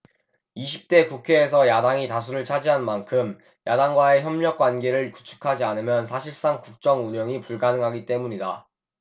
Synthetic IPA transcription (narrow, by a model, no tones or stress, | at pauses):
iɕʰip̚t͈e̞kukʰe̞ːs̬ʰʌjadaŋitas̬ʰuɾɯɭt͡ɕʰad͡ʑiɦanmankʰɯm | jadaŋɡwae̞çjʌmɲʌk͈̚wanɡe̞ɾɯɭku̥t͡ɕʰu̥kʰad͡ʑianɯmjʌns̬ʰaɕʰiɭs͈aŋkuk̚t͡ɕ͈ʌŋuɲʌŋipuɭɡanɯŋɦaɡit͈e̞muɲida